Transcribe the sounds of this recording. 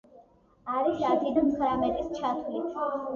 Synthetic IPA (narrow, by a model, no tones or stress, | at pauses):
aɾisat̪ʰid̪amχɾamɛt̪ʼist͡ʃʰat̪ʰuli